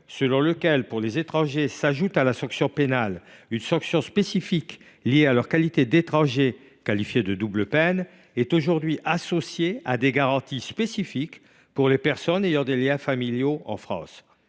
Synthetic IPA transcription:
səlɔ̃ləkʲɛlpuʁlezet̪χɑ̃ʒesaʒut̪alasɑ̃ksjɔ̃penalynsɑ̃ksjɔ̃spesifik | lijealœʁkalit̪ed̪et̪χɑ̃ʒe | kalifjed̪əd̪ubləpɛn | ɛt̪oʒuʁd̪ɥiʔasɔsjead̪eɡaʁɑ̃t̪ispesifik | puʁlepɛʁsɔnejɑ̃d̪eljɛ̃familjoɑ̰̃fχɑ̰̃s

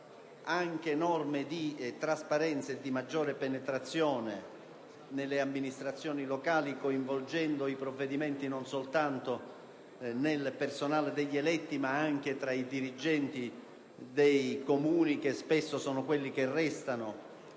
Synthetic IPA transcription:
aŋk̟enɔrmɪd̪it̪ɾaspaɾɛnt̪sed̪ːimad͡ʒːɔːɾepenet̪ɾat̪sːjɔːne | nelːeamːinist̪ɾat̪sːjɔːnilokaːlikoiɱvold͡ʒɛnd̪oipɾovːed̪imɛnt̪inonsolt̪ant̪o | nelpersonaːled̪eʎːelɛt̪ːimaaŋk̟et̪ɾaid̪iɾid͡ʒɛnt̪i | d̪ejkomuːnik̟espesːosɔːnʊkwelːik̟erːɛst̪ano

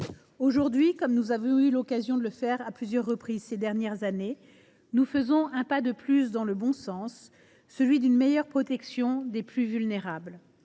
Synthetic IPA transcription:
oʒuʁd̪ɥikɔmnuzavɔ̃ylɔkazjɔ̃d̪ələfɛʁaplyzjœʁːəpχizsed̪ɛʁnjɛʁzane | nufəzɔ̃ɛ̃pad̪əplysd̪ɑ̃ləbɔ̃sɑ̃sː | əlɥid̪ynmejœʁpχɔt̪ɛksjɔ̃d̪eplyvylneʁabl

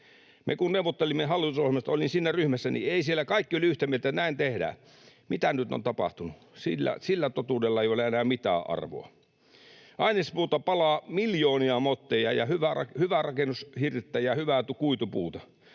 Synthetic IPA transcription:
mʔḛkunneuwʋːˑot̪ːelimːeɦɑlːit̪usohemɑst̪ɑolinsinːæryhmæsːænḭeisielːækɑikːiolʲiyht̪æmielt̪ænæint̪ehdæ̰ | mit̪ænyt̪o̰nt̪ɑpɑ̰ht̪unu | silːæ̰silːæt̪ot̪uːdelːɑeijoleenæːmit̪æ̰ːʔɑ̰rʋo̰ɑ | ʔɑinispuːt̪ɑpɑlɑːmiljoːniɑmot̪ːejɑ̰jɑ̰hyʋærɑ̰hyʋærɑkenːushirt̪ːæjɑhyʋæˑt̪ukuit̪upṵːt̪ɑ

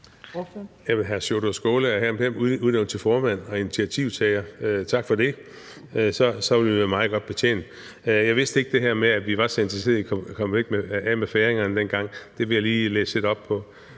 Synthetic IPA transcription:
jæmɦæɐsoɾ̥osɡ̥o̝ːləæhæɐmpʰemuðˠneʊn̩ˠt͡sʰe̝lfɒːmæn̰ɒ̽init͡sʰiæt͡sʰiʊt͡sʰɛɪɐøt͡sʰɑ̈ɡ̥fɒ̽d̥e̝ | sɒ̽sɒ̽ʋe̝lʋimɑ̈ːðˠɡ̥ɒ̽d̥̚b̥e̝t͡sʰḛːn | jɑ̈ɪʋe̝sd̥əe̝ɡ̥̚d̥e̝ɦæɐmeæʋiʋɑ̈sent͡sʰise̝ðˠikʰkʰɒ̽mʋeɡ̥meɛmefeːʁeŋɐnd̥en̰ɡ̥ɑ̈ŋ̰d̥e̝ʋe̝jɑliːlḛːse̝d̥ɒ̽b̥̚pʰɒ̽

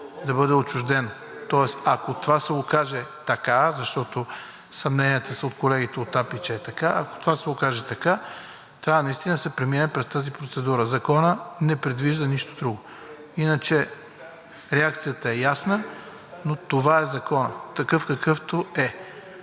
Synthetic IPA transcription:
d̪ɐbɤd̪ɛot͡ʃʊʒd̪ɛn | t̪ɔɛsɐkot̪ovasɛokaʒɛt̪ɐkazɐʃt̪ɔt̪o | sɐmnɛniɛt̪əsəot̪kolɛɡʲit̪ɛot̪ːapit͡ʃɛːt̪ɐkaɐko̥t̪ovasɛokaʒɛt̪ɐka | t̪ɾʲavənɐist̪ind̪ɐsɛpɾɛminɛpɾɛst̪azipɾot̪sɛd̪uɾəzɐkɔnənɛpɾɛd̪viʒd̪əniʃt̪od̪ɾuɡʊ | inət͡ʃɛ | ɾɛak̚t̪sijət̪əɛjasnə | not̪ovaɛzɐkɔnə̰t̪ɐkɤfkɐkɤft̪oɛ

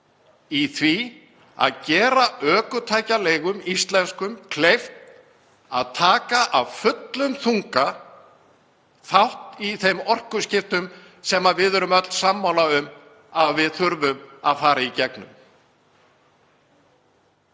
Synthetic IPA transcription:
iθvi | a̰ðcɛːɾaʔœːkʏt̪ʰaːjcaleːjɣʏmist̪lɛnskʏmkʰlejft̪ | aðt̪ʰaːkaʔavfʏt̪lʏmθuŋka | θawht̪iθejmɔr̥kʏscɪft̪ʏm | sɛmːavɪðœɾʏmœt̪lsamːawnaʏm | aðvɪðθʏɾvʏma̰ðfaːɾaicɛknʏ̰m

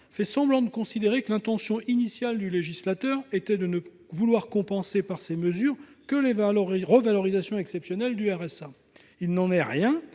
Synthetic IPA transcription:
fɛsɑ̃blɑ̃d̪əkɔ̃sid̪eʁekəlɛ̃t̪ɑ̃sjɔ̃ʔinisjald̪yleʒislat̪œʁet̪ɛd̪ənə | vulwaʁkɔ̃pɑ̃sepaʁseməzyːʁkəlevaʁəvalɔʁizasjɔ̃ɛksɛpsjɔnɛld̪yɛʁɛsa | ilnɑ̃nɛʁjɛ̃

